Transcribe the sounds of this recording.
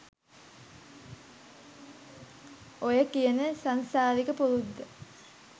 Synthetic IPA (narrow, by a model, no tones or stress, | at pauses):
ojəkijənəsansaːd̪ikəpulud̪ːə